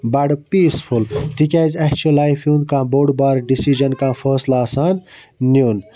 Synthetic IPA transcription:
bɐɽpiːsfult̪ikʲɛːzɐkt͡ʃulaːjfjũːnd̪kãːboːɖbaːɾɖisid͡ʒɐnkãːfəːslaːsaːnː | juːn

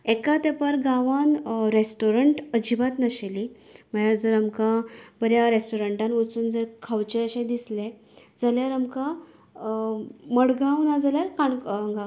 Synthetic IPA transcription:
ɛkat̪epaɾɡaʋanɾesʈoɾəɳʈəd͡ʑibat̪nəɕeliməjad͡zəɾamkãbəɾjaɾesʈoɾəɳʈanʋət͡suːnd͡zəɾkʰawt͡ɕɛəɕɛ̃d̪islɛ | d͡zaljaɾamka | məɽɡãwnad͡zaljaɾkaɳːŋɡa

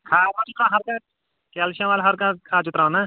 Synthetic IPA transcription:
kʰaːɾat͡ʃʊk̪ãːɦɐɾkãː | kɛːlʃãʋaːlɦɐɾkãːkʰaːt͡ʃʊt̪ɾãõnaː

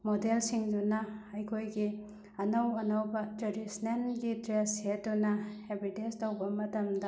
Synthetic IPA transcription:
modelsiŋdunɐɐjkʰojɡi | ɐnɐwɐnɐwbɐd͡ʒɐɾisnenɡidɾesetunɐebʱitenstowbɐmɐtɐmdɐ

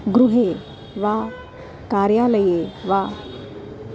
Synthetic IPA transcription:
ɡɾuɦe | ʋa | kaɾjaləjeʋa

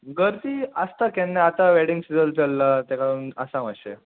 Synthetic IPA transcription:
ɡəɾt̪iəst̪akɛ̃nːeat̪aʋɛɽiŋɡsiəlt͡səlːat̪ɛkaɽuːnəsãʋəɕe

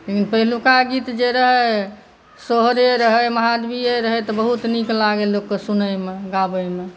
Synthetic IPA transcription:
lekinpəɦilukaɡit̪d͡ʒeɾəɦə | soɦɾeɾəɦəjməɦad̪bieɾəɦət̪ɔbəɦut̪niklaɡelːokːesunəmeɡabəjme

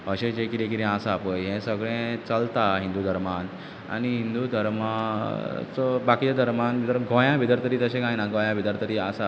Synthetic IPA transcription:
əɕẽd͡ʑekiɾẽkiɾẽasaapəjɦẽsəɡɭɛ̃t͡səlt̪aɦĩnd̪ud̪ʱəɾman | a̰niɦind̪ud̪ʱəɾma | t͡səbakit͡ɕad̪ʱəɾmanbit̪əɾɡõjãbʱid̪əɾt̪əɾiːt̪əɕẽɡãjnãɡõjãbʱid̪əɾt̪əɾiːasa

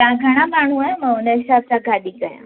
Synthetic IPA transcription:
t̪ɐ̃ãɡʱɐɽ̃amaːɳ̤ũaːj̃mãʊ̃nd̪əsaːb̚sãɡaːɗĩkɐjã̰

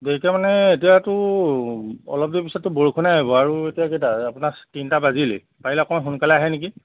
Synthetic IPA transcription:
deikɛmanɛetijatʊ | ɔ̰lɔp̚dipisɔtːʊboɹukʰunaɦibɔaɹuetijakejtaapʊnatintabazilḭ | pailakɔmaxunkalɛaɦɛneki

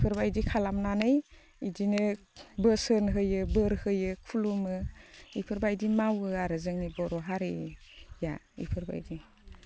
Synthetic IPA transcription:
ipʰɯɾbajdikʰalamnanɯj | idinɯ | bəsɯnɦɯjɯbɯɾhɯjɯkʰulumɯipʰɯɾbajdimawɯaɾɯzɯŋnibɔɾɔɦaɾija̰ | ḭpʰɯɾba̰jdi

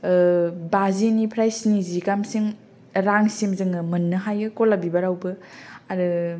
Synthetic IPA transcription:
bazinipʰɾajsnizikamsiŋ | ɾaŋsimzɯŋɯmɐnːɯɦajɯkolabibaɾawbɯaɾɯ

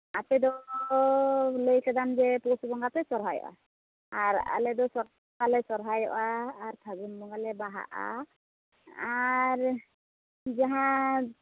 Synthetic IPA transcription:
apɛd̪ɔ | ləjkɛd̪and͡ʒɛpɔsubɔŋɡapɛsɔɾɦajɔ̰ʔa̰ | aɾa̰lɛd̪ɔsɔɾ | ɡalɛsɔɾɦajɔ̰ʔaːɾt̪ʰaɡunbɔɡalɛbaɦa̰ʔa̰ | aɾ | d͡ʒaɦã

